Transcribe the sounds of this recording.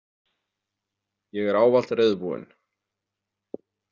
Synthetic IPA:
jɛɣɛɾaːwval̥t̪rɪðpuɪ̰n

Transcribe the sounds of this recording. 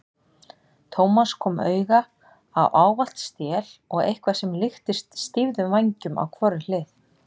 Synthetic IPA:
t̪ʰoːwmaskʰɔːmœ̰ːɥɣa | a̰wʔaːwval̥t̪st̪jɛːlɔɣḛjhkvḁsɛmlɪxt̪ɪst̪st̪ivðʏmvaɲcʏma̰wkʰvɔɾɪlɪːθ

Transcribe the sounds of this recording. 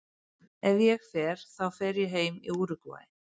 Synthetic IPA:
ɛvjɛɣfɛɾ̥θawfɛɾjɛɦeːjmḭuːɾʏkva̰ːj

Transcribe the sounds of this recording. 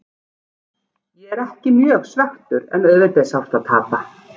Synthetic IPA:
jɛɣɛɾɛhcɪmjœːɣsvɛxt̪ʏɾɛ̰nœðvɪt̪esawft̪aðt̪ʰaːpa

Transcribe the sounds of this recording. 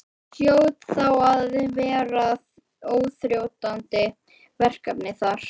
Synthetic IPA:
sjoːwt̪θawaðɪvɛːɾa | oːwθɾjowt̪ant̪ɪ | vɛr̥kapnɪθaɾ̥

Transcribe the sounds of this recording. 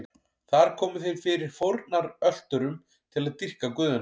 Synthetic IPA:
θaɾ̥kʰɔːmʏθejɾ̥fɪɾɪɾ̥fowɾt̪naɾœl̥t̪ʏɾʏm | t̪ʰɪlaðt̪ir̥kakʏːðʏn

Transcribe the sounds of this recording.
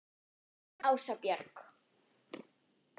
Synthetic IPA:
awsapjaɾk

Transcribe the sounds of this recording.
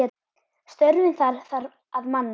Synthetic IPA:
ɛ | st̪œɾvʏnθaɾθaɾ | aðmanː

